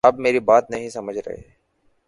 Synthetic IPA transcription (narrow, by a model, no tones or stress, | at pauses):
ɐbmeːɾibaːt̪nɐɦĩsɐməd͡ʒʱɾɐ̰ɦḛː